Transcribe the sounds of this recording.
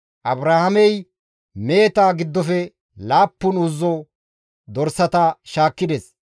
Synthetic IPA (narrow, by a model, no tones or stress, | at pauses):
ʔɐbɾaːhɐmɛj | me̞ːt̪aːɡɪd̪ːɔfɛ | laːpːʊnʊzːɔ | d̪ɔɾsɐt̪aʃaːkːɪd̪ɛs